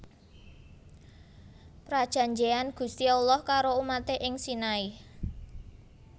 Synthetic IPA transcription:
pɾad̥ʒ̥ä̤ɲd͡ʒeanɡ̥ṳst̪iaulɔhkaɾoumat̪eʔɪŋsinai

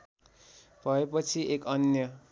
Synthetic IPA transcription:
b̥ʱʌepʌt͡sʰiʔekʌnjʌ

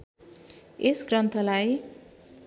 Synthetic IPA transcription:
esɡrʌnt̪ʰʌlaj

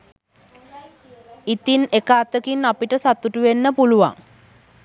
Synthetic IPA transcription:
it̪inekaːt̪əkinːapiʈəsat̪uʈuʋenːəpuluʋa̰ŋ

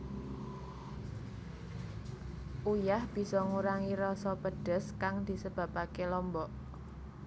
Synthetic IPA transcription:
ʔujahb̥i̤sɔŋuɾaŋiɾɔsɔpəɖ̥ə̤skaŋd̪̥i̤səb̥a̤pakelɔmbɔʔ

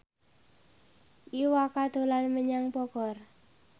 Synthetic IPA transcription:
ʔiwakad̪̥o̤lanməɲaŋpɔɡ̥ɔr

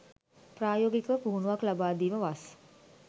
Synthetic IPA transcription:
praːjoːɡikəʋəpuɦunuʋaklabaːd̪iːməʋas

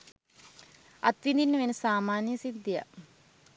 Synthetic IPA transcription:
ɐt̪ʋind̪inːəʋenəsaːmaːnjɐsid̪ːija̰

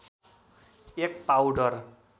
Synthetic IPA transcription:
ek̚pawɖʌr

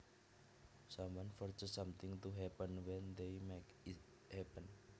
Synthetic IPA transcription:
samwɔ̃nfɔrt͡ʃəsamt̪ɪŋt̪uɦɛpənwɛnd̪ejmekɪ | hɛpən

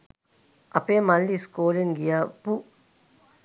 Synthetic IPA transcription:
ɐpemɐlːiskoːleŋɡijapu

